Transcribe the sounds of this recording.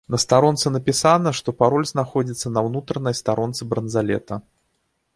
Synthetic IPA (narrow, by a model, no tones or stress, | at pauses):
nɐst̪aɾɔnt̪sɨnɐpʲisanɐʂt̪ɔpaɾɔlʲznaxɔd͡zʲit̪sːənɐwnut̪ɾənɐjst̪aɾɔnt̪sɨbɾənzalʲɛ̰t̪ɐ